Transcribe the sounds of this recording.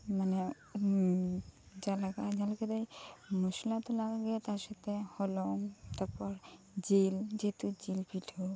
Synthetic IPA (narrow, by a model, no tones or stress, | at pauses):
manɛ | d͡ʒalaɡad͡ʒalaked̪ajmusilat̪ɔlaɡɛt̪aɾʃat̪ehɔlɔŋt̪apɔɾ | d͡ʒild͡ʒet̪ud͡ʒilpʰiʈʰo